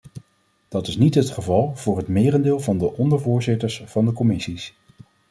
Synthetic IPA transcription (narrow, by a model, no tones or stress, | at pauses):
d̥ɑtɪsnitɦətχəvɑlˠv̥ʊːɹɦətmɪːrəndɪːlˠvɑndəʔɔndəɹvʊːɹzɪtəɹsvɑndəkɔmɪsis